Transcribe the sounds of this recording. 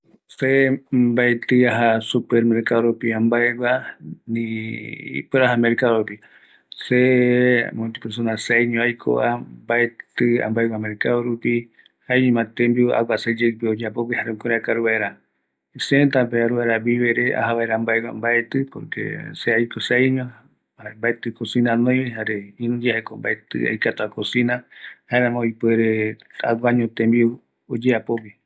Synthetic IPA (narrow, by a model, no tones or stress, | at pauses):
sembaet̪ɨaɦasupeɾmeɾkaðoɾupiambaeɡʷanḭ̃ | peɾaɦameɾkaoɾupi | se | mõt̪ipeɾs̬onaseajɲõajkʰo̰ambaet̪ɨa̰mbaeɡʷameɾkaðoɾupi | haeɲõmãt̪embia̰wʷased͡ʒekpiod͡ʒapobihaɾekoɾeakaɾuβaeɾa | sent̪ap̬eaɾuβaɾaβiβeɾea̰haβaeɾambaewa̰mbaet̪ɨpo̰ɾkḛseajkosaiɲõ | ambaet̪ɨkosinãnõjeɦaɾeĩnũd͡ʒehekomba̰et̪ɨ̰a̰jkat̪aakosĩnahaeɾãmõjpweɾea̰wʷaɲõt̪ẽmbiu | od͡ʒeapopi